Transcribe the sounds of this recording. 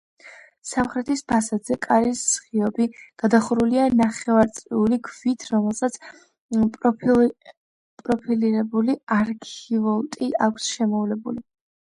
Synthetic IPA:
samχɾɛt̪ʰispʰasad̪zɛkʼaɾisːχiɔbiɡ̥ad̪aχuɾulianaχɛvaɾt̪sʼliuliɡʰvit̪ʰɾɔmɛlˠsat̪sʰ | pʼɾɔpʰiliɾɛbuliaɾkʰivɔlˠt̪ʼiʔakʷʰsʃɛmɔvlɛbuli

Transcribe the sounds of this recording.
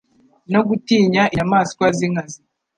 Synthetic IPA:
no̞ɡutiːɲaʔinamaːsi̥kwaziŋazi

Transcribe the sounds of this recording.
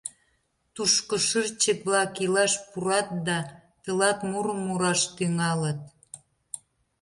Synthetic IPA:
t̪uʃkə̆ʃərt͡ɕək̚βlɑkilɑʃpuɾɑt̪̚d̪ɑt̪əlɑt̪muɾəmːuɾɑʃt̪yŋɑlət̪̚

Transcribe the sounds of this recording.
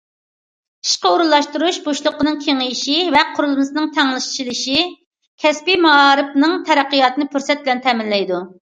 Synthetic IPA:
i̥ʃqəuɾulˠːɑʃt̪uɾuʃboʃlˠʊqənɨŋkʲʰeŋɪjʃivɛqʰʊɾulˠɨnɨsɨnɨŋt̪ʰɛŋlˠɨʃt͡ʃʰilˠɨʃi | kʲʰɛspimɑɑːɾɨpnɨŋt̪ʰɛɾæqːijɑt̪ɨnɨpʰyɾsɛt̪̚bɪlɛnt̪ʰɛmɪnlɛjd̪u

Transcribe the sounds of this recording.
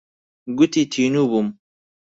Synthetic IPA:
ɡut̪it̪ʰiːnubum

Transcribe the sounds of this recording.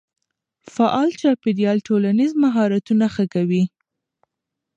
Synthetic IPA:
faʔɑlt͡ʃɑpeɾijɑlʈolanizmaɦɑɾat̪unaxəkawi

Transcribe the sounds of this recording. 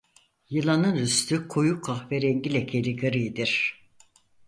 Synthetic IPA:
jɯlˠanɯnɾyst̪ʰykʰojukʰaxvɛɾɛɲɟilʲɛcʰelʲiɡɯɾɯjd̪iɾ̥

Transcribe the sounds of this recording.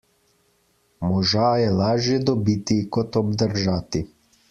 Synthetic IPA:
mɔʒajɛlaːʒjɛd̪ɔbiːt̪ikɔt̪ɔbd̪əɾʒaːt̪i

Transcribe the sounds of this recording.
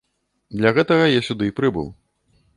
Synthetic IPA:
d̪lʲɐɣɛt̪ɐɣɐjasʲud̪ɨpɾɨbɨ̰w

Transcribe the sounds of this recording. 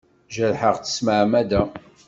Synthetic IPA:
ʒəlħəʁθə̥sməʕmæd̪æ

